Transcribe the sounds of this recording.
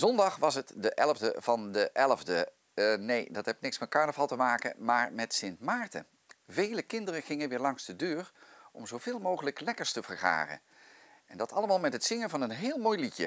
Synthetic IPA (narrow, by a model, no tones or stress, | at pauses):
zɔndɑχʋɑsətdəʔɛlˠəvdəv̥ɑndəʔɛlˠəvdə | nejdɑtɦɛbɪknɪksmɛt̚kɑɹnəvɑlˠtəmaːkə̰nmaːɹmɛtsɪntmaːɹtə̰ | vejləkɪndərənχɪŋənʋɪːɹlɑŋsdədøːɹɔmzowv̥ɪːlˠmowχələklɛkəɹstəvəɹχa̰ːrə̰n | ɛndɑtɑlˠəmaːlˠmɛtɦətsɪŋənvɑnənɦɪːlˠmoːjlitjə̰